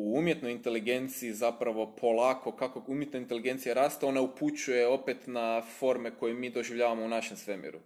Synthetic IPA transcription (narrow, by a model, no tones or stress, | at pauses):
uumje̞t̪no̞jint̪e̞liɡe̞nt̪siːzapɾaʋo̞pʰo̞lˠako̞kakoɡumjet̪noint̪e̞liɡe̞nt̪sijeɾaːst̪eo̞nauput͡ɕuje̞o̞pe̞t̪nafo̞ɾme̞ko̞jemiːd̪o̞ʒiʋʎʲaːʋamo̞unaʃe̞msʋe̞mḭɾu